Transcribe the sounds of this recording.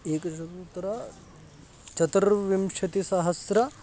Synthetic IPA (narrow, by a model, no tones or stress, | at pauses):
eːkɐʃɐɡut̪ɐɾɐ | t͡ʃɐt̪ɾʋimʃɐt̪isaɦɐsɾɐ